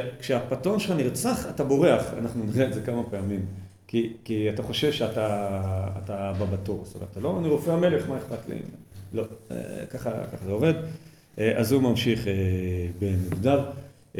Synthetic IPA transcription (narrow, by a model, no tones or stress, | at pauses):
kʃeapatonʃeχaniʁt͡saχatabo̞ʁeaχa̰naχnuniʁeːtze̞kamapeamim | kikiataχo̞ʃevʃeataː | tababatuʁst̪omḛtat̪alo̞aniʁofeameleeχmaeχpatlḛḭmlo̞ḛkaχa̰kaχazeove̞d̪ | ʔeʔazumamʃiχebemiɡdav